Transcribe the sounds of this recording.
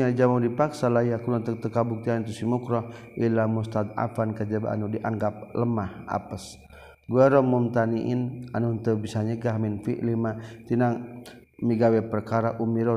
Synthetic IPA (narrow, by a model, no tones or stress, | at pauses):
ad͡ʒamadipaksalajakulat̪ək̚t̪əkabuk̚t̪iant̪usimukɾɔ | ʔilamust̪at̪̚a̰fankad͡ʒəba̰a̰nudiʔaŋɡap̚ləmaha̰pəs | ɡuaɾɔmumt̪aniʔinanunt̪əbisaɲəɡaɦminfḭʔlimat̪inaŋ | miɡawɛpərkaɾaʔumiɾɔ